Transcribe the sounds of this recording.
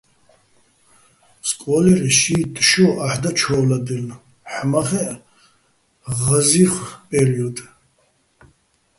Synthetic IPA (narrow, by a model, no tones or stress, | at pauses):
skʼɔlɛɾɛʃiːt̪ʼʃɔʔaħd̪at͡ʃʰɔwlad̪ɛl | ħmaχɛʔ | ʁaziχpʼɛɾiɔd̪